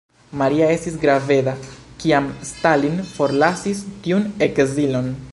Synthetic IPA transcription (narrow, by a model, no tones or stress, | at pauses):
maɾiae̞stisɡɾave̞dakiamstalinfo̞ɾlasistiune̞kzilo̞n